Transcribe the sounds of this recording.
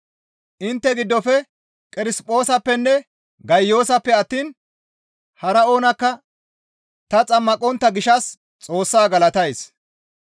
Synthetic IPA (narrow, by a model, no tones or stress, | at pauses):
ʔɪnt̪ːɛɡɪd̪ːɔfɛ | kʼɪɾɪspʼo̞ːsɐpːɛnːɛ | ɡɐjːo̞ːsɐpːɛɐt̪ːiːn | hɐɾɐo̞ːnɐkːɐ | t̪ɐt͡sʼɐmːɐkʼɔnt̪ːɐɡɪʃɐs | t͡sʼo̞ːsːaːɡɐlɐt̪ɐjs